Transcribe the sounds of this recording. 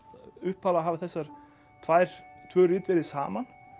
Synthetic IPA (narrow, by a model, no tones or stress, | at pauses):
ʏhpːaːlaɦaːvaθɛsːaɾ̥ | t̪ʰvaːjɾ̥t̪ʰvœːɾiːt̪vɪɾðɪsa̰ːman